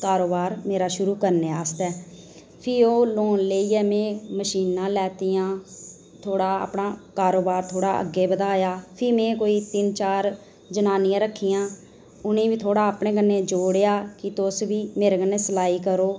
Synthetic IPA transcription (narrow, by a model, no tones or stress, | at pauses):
kaːɾoːbaːɾmeːɾaːʃʊɾuːkəɾneːaːst̪ɛː | pʰɪoːloːnleiːɛːmɛ̃ːməʃiːnãːlɛːt̪ijãː | t̪ʰoːɽaːa̰ːpnaːkaːɾoːbaːɾt̪ʰoːɽaːʔə̰ɡːeːbəd̪aːjaːpʰɪːmɛ̃ːkoːiːt̪ɪnt͡ʃaːɾ | d͡ʒənaːnɪjãːɾəkʰːijãː | ʊnẽːʋiːt̪ʰoːɽaːəːpɳeːkənːeːd͡ʒoːɽejaːkɪt̪ʊsʋiːmeːɾeːkənːeːsəlaːiːkəɾoː